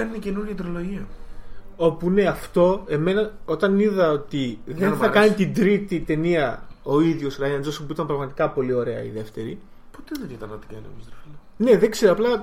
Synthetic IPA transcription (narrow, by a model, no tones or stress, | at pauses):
eɾnicenuɾjiɐt̪ɾoloʝiɐ | o̞puine̞ɐft̪o̞e̞me̞nɐo̞t̪ɐniðɐo̞t̪iðe̞nθɐkkɐnit̪ind̪ɾit̪it̪e̞niɐo̞iðʝo̞sɾɐjɐnzospuit̪ɐmpɾɐɣmɐt̪i̥kɐpo̞lio̞ɾe̞ɐ̰ḭðe̞ft̪e̞ɾḭpot̪eðet̪it̪ɐnɐt̪ikɐnemisɾɐfilone̞ðe̞ɡz̥e̞ɾoɐplɐ